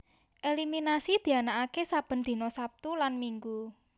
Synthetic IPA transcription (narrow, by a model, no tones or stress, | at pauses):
ʔeliminasid̪̥i̤anaʔakesab̥ə̤nd̪̥i̤nɔsap̚t̪ulanmiŋɡu